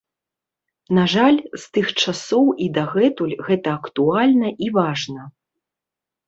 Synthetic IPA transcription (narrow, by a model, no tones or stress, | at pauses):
naʐalʲst̪ɨxt͡ʂasɔwʔid̪ɐɣɛt̪ulʲɣɛt̪ɐːkt̪ualʲnɐʔivaʐnɐ